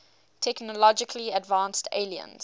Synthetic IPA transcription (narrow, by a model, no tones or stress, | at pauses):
tʰɛknəlɔd͡ʒɪkʰliədvãːnstʰḛɪliə̰̃nz̥